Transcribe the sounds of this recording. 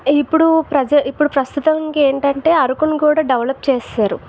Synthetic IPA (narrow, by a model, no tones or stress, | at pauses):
ipːuɽupɾɐd͡ʒɐipːuɽupɾɐst̪ut̪ɐŋkeːɳʈɐɳʈe̞ːɐɾukunukuːɽaːɖɐʋlɐp̚ːt͡ʃeːsaːɾu